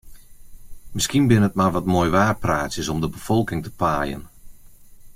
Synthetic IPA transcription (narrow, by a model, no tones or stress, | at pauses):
mɪskinbɪnət̚maʋɔtmoːjʋaːrpraːtsjəsɔmdəbəfɔlˠkɪŋtə̥paːjə̰n